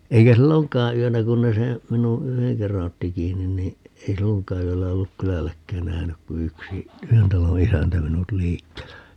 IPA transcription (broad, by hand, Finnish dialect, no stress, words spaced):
eikæ silːoŋkˑɑː yønæ kun ne seː minu yheŋ kerːɑn otːi kiːnːin niː ei silːoŋkˑɑː yølːæ olːuk kylælːækːæːn næhnyk ku yksi yhen tɑlo isæntæ minut liːkːeːlːæ